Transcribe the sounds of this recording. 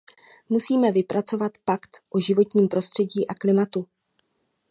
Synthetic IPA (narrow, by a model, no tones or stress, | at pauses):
musiːmɛvɪpɾʔat͡so̞vat̪pakt̪ʔoʒɪvo̞t̪ɲiːmpɾo̞st̪r̥ɛɟiːʔaklɪmat̪u